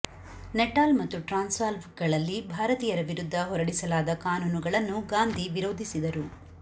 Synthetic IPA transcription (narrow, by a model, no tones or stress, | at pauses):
nɛʈaːlmɐt̪ːuʈɾaːnsʋaːlʋkɡɐɭɐlːibʱaːɾɐt̪iːjɐɾɐʋiɾud̪ʱːɐɦɔɾɐɽisɐlaːd̪ɐkaːnuːnuɡɐɭɐnːuɡaːnd̪ʱiʋiɾoːd̪ʱisid̪ɐɾu